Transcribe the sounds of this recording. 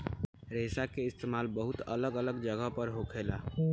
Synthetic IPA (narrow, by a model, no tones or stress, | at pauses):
ɾeːsakeɪst̪eːmaːlbəɦʊt̪ə̰ləɡələɡd͡ʒəɡəɦpəɾɦokʰeːlaː